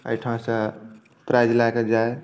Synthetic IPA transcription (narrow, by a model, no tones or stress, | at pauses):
ə̰jʈʰãsə | pɾajd͡ʒlaked͡ʒae